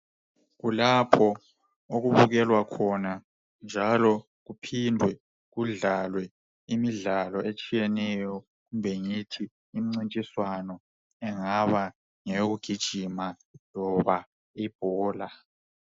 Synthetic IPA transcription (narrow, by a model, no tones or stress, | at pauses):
ɣulapʰɔ | oɣuβuɣɛlwakʰɔna | nd͡ʒʱalɔ | ɣupʰindʱwɛ | ɣuɮalwɛ | imiɮalɔʔet͡ʃʼijɛnɛjɔ | ɣumbʱɛŋitʰiː | m̩ŋ͡ǀint͡ʃʼiswanɔ | ɛŋaβa | ŋɛjoɣuɡ̥ʱid̥ʒ̥ʱima | lɔβa | ib̥ʱɔːla